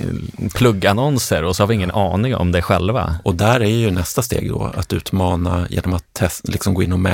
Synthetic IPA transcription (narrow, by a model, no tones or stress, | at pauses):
pʰlɵɡːanɔnsəɾɔsɔhaɾvɪɪŋːənɑːnɪŋɔ̰md̪ɛæɧɛlva̰ɔd̪æɾæɾjɵnɛst̪ast̪ḛːɡd̪ɔ̰a̰t̪ʉ̟ːt̪mɑːnajʔḛːnɔmat̪ʰːɛlɪksɔmɡoːɪnːɔmɛ